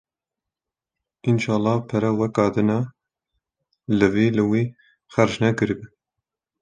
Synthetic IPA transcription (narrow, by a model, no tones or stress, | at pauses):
ʔinʃɑːlːɑːpʰɛɾɛwɛkɑːd̪ɨnɑ | lɨviːlɨwiː | xæɾʃnɛkɨɾbɨ